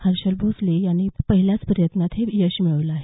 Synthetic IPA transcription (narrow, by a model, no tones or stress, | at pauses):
həɾɕəlbʱoslejaɽ̃ipəɦiljat͡spəɾjət̪nat̪ɦejəɕmiɭəʋləaɦe